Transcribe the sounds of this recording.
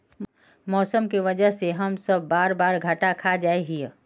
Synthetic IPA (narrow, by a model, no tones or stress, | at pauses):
mɔːsəmkiʋəd͡ʒəɦseɦɐmsəbʱːaːɾbaːɾɡʱəʈakʰad͡ʒaːeɦie